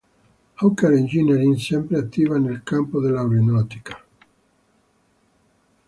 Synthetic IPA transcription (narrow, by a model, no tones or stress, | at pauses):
awkeɾind͡ʒineɾinsempɾeat̪ːiβanelkampoðelawɾenɔt̪i̥kḁ